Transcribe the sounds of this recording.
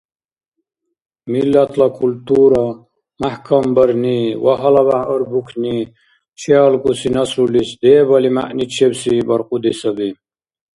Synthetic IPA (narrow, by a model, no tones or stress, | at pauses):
milːɐt̪ʰlɐkʰult̪uːɾɐ | mahkʰɐmbəɾniwɐɦɐlɐbaəɾbukʰni | t͡ɕʰealkusinɐsɾulisd̪eːbɐlima̰ʔnit͡ɕʰebsibɐɾqud̪isɐbi